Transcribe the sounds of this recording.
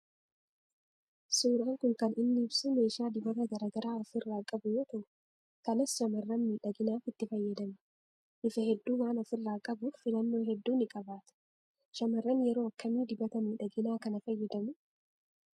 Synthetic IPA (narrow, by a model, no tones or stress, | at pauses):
suːɾɐːŋkʊŋkɐnɪnːɪːbsʊme̞ːʃaːd̪ɪbɐt̪ɐɡɐɾɐɡɐɾaːɔfɪrːaːkʼɐbʊjɔt̪ɐʔʊ̥ | kɐnɐsʃɐmɐrːɐnmiːᶑɐɡɪnaːfɪt̪ːɪfɐjːɐd̪ɐmɐ̥ | ʔɪfɐhɛd̪ːuːwaːnɔfɪrːaːkʼɐbʊfɪlɐnːo̞ːɦɛd̪ːuːnɪkʼɐbaːt̪ʊ̥ | ʃɐmɐrːɐnjɛɾo̞ːɐkːɐmiːd̪ɪbɐt̪ɐmiːᶑɐɡɪnaːkɐnɐfɐjːɐd̪ɐmʊ